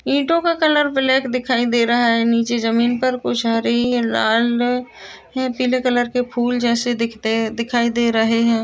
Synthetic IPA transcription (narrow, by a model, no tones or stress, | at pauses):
ĩːʈõkakɐləɾfɪlɛːkd̪ɪkʰaːid̪eːɾɐɦaɦɛniːt͡ʃezəmiːnpɐɾkʊt͡ʃʰɦaːɾəɦiɦɛ̃laːl | ɦɛ̃ːpiːlekələɾkepʰuːld͡ʒɛːsed̪ɪkʰt̪ed̪ɪkʰaːid̪eːɾɐɦeɦɛ̃ː